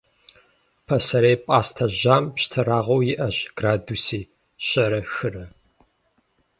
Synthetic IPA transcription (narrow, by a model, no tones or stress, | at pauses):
pʰɐsɐɾeːjpʼaːstʰɐʑaːmpɕtʰɐɾaːʁɐwjɪʔɐɕɡ̥raːduːsiː | ɕʼɐɾɐxɨrɐ